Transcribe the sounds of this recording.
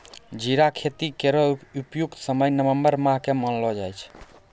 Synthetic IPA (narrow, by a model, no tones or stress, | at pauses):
d͡ʒiɾakʰet̪ikeɾəupjukt̪səməjnəʋəmbəɾmaɦkemənlɔd͡ʒajt͡ʃʰ